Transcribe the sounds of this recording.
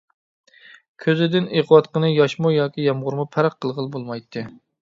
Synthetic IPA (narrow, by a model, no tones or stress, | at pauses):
kʲʰøzɪd̪ɪneqwɑt̪qənɨjɑʃmujɑːkʲijɑmʁʊɾmupʰæɾqʰːəlˠʁəlˠbolˠmɑjt̪ʰːɨ